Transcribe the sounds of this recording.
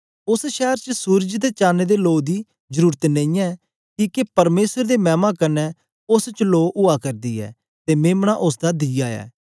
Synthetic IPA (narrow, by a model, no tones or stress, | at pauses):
ʊsʃɛːɾt͡ʃəsuːɾd͡ʒd̪eːt͡ʃaːneːd̪eːloːd̪iː | zəɾuːɾət̪nẽĩːɛː | kiːkepəɾmeːsəɾd̪eːmɛ̃ːmãːkənɛː | ʊst͡ʃloːʔʊaːkəɾd̪iːɛ̰ː | t̪eːmeːmɳaːʔʊsd̪aːd̪ijaːɛ̰ː